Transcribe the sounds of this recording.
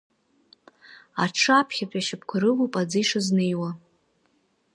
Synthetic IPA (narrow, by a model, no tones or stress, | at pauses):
aʈ͡ʂʰapʰχʲapʼaʃɪp̚ʰkʷʰaɾɨlupʼad͡zɨjʂaznejwa